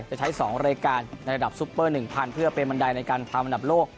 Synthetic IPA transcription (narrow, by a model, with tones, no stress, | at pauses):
t͡ɕa˨˩t͡ɕʰa˦˥jsɔː˩˦ŋɾaː˧jkaː˧nːa˧jɾa˧da˨˩p̚su˦˥pːɤː˥˩nɯ˨˩ŋpʰaː˧˩npʰɯ˥˩ɐpe˧nba˧nda˧jna˧jkaː˧nt̪ʰaː˧mʔa˧nda˨˩loː˥˩k̚